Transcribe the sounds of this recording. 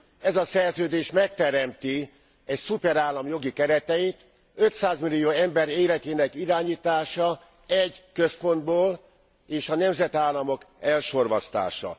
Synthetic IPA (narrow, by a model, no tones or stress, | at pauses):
ɛzɒsɛrzøːd̪eːʃmɛk̚t̪ɛɾɛmt̪i | ɛcsupɛɾaːlːɒmjo̞ɡikɛɾɛt̪ɛit̪ | øt̪saːzmilijoːɛmbɛɾeːlɛt̪eːnɛkiɾaːɲiːt̪aːʃɒ | ɛɟkøspo̞nd̪boːl | eːʃɒnɛmzɛt̪aːlːɒmo̞kɛlʃo̞rʋɒst̪a̰ːʃɒ̰